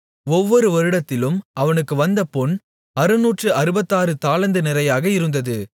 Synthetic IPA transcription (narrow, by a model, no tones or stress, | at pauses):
ɔʋːɔɾɯʋɐɾɯɽɐt̪ːɪlɯmɐʋɐnɯkːɯʋɐnd̪ɐpɔɳ | ɐɾɯnuːʈrɯʔɐɾɯbɐt̪ːaːɾɯt̪aːlɐnd̪ɯnɪɾɐjaːɣɐɪɾɯnd̪ɐðɯ